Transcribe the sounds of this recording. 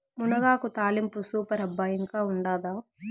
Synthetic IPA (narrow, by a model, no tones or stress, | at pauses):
munɐɡaːkut̪aːlimpusuːpɐɾɐbːaːjiŋkaːuɳɖaːd̪aː